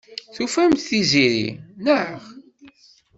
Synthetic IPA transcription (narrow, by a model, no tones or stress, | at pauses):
θufæmt̪θiziɾḭnəʕχ